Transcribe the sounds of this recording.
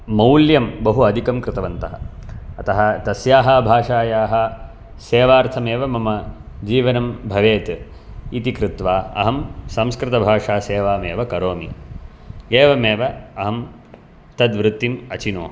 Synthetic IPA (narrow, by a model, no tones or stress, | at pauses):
mɐwljɐmbɐɦuɐd̪ʱikɐmkɾɪt̪ɐʋɐnt̪ɐɦɐ̰ɐt̪ɐɦɐt̪ɐsjaːɦɐbʱaːʂaːjaːɦɐ | seːʋaːɾt̪ʰɐmeːʋɐmɐmɐ | d͡ʒiːʋɐnɐmbʱɐʋeːt̪ | it̪ikɾɪt̪ʋaːɐ̰ɦɐmsɐmskɾɪt̪ɐbʱaːʂaːseːʋaːmeːʋɐkɐɾoːmi | eːʋɐmeːʋɐɐɦɐm | t̪ɐd̪ʋɾut̪ːimɐt͡ʃinoːɦ